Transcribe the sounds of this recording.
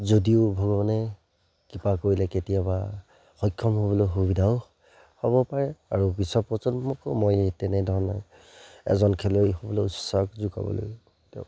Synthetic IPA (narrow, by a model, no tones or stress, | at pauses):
zodiʊbʱɔɡɔmanɛ | kipakoɹilɛketijaba | xɔjkʰːɔmɦobɔlojɦubidʱaʊ | hobɔpaɹɛaɹubisɔpɔsɔnmɔkmɔjetɛnɛdʱɔɹɔnaj | ɛ̰zɔnkʰɛlojɦobɔlojusakzuka̰bɔ̰lo̰j | tɛ̰ʊ